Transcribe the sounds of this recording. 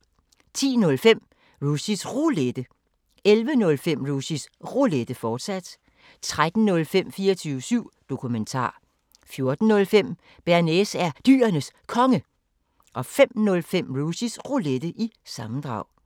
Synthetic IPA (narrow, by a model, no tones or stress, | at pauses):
t͡sʰḭːnɔ̽lfem̰ | ʁusisʁuled̥ə | elʋənɔ̽lfem̰ʁusisʁuled̥əfɒːd̥sæd̥ | t͡sʰʁad̥n̩nɔ̽lfem̰fiːɐt͡sʰyːʊəsyʊ̰d̥o̝kʰument͡sʰɑ̰̈ː | fjo̝ɐd̥n̩ːɔ̽lfem̰ | b̥æɐnesæɐd̥y̰ːɐnəskʰɒ̽ŋə | ʔɒ̽fem̰nɔ̽lfem̰ʁusisʁuled̥əʔisɑ̈mn̩d̥ʁɑ̈ʊ̰